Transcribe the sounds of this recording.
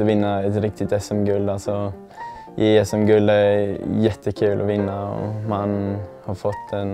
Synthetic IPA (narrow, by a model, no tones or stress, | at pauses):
ɔʋɪnːəɛt̪ɾɪk̚t̪ɪt̪ɛsɛmɡʉld̪ɑsɔ | jʔɪɛsɛmɡʉld̪ɛæɾjɛt̪ʰːəkʰʉːlʔɔ̰ʋɪnːəɔ̰mɑnhɑɾfɔt̪ːdɛn